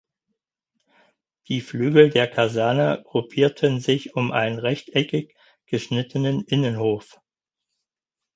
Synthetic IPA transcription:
d̥iːflyːɡl̩deːɐkʰazɛɐnəɡ̥ʁʊpʰiːɐtʰənzɪçʊmʔa̰ɪnənʁɛçtʔɛkɪç | ɡ̥əʃnɪtʰənənʔɪnənhoːf

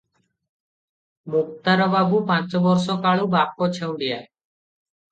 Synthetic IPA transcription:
mʊk̚t̪aɾəʋaːbuːpãːt͡ʃbɔɾsõːkaːɭuːbaːp̚koːt͡ʃʰeũːɖ̪ɪjaːe

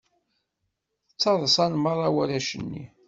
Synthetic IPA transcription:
ət͡sːɑðˤsˤɑnməɾˤɑwæɾæʃənːḭ

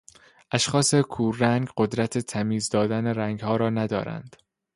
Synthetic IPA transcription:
ʔæʃxɒːsekʰuːræŋɡɢod̪ɾæt̪ʰet̪ʰæmiːzd̪ɒːd̪æneɾæŋɡhɒːɾɒːnæd̪ɒ̰ːɾæ̰nd̪̥

